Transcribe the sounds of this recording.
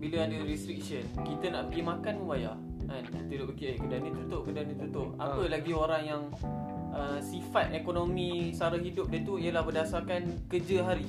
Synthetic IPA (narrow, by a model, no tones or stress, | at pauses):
biləadəɾist̪ɾik̚sənkit̪ənaʔpəɡimãkanubaja̰ | ant̪iɾʊʔbəɡiekədanə̃t̪ut̪oʔkədanə̃t̪ut̪ʊʔa̰ppəlaɡioɾaŋjaŋ | ʔəsifat̪̚ekonomisaɾaɦidʊp̚dət̪uijəlahbədasakankəd͡ʒəɦaɾi